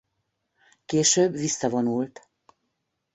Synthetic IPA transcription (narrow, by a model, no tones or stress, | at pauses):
keːʃøːbʋisːɒvonult̪